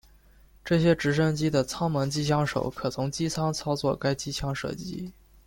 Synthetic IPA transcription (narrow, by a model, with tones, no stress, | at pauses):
ʈ͡ʂɤ˥˩ɕjɛ˥ʈ͡ʂɻ̩˧˥ʂ̬ə˥ŋt͡ɕi˥d̪ə˨t͡sʰɑ˥ŋmɤ˧˥ŋt͡ɕi˥t͡ɕʰjɑ˥ŋʂo̰˨˩ʊkʰɤ˨˩t͡sʰʊ˧˥ŋt͡ɕi˥t͡sʰɑ˥ŋt͡sʰɑ˥ʊt͡swɔ˥˩ka˥ɪt͡ɕi˥t͡ɕʰjɑ˥ŋʂɤ̰˥˩t͡ɕḭ˥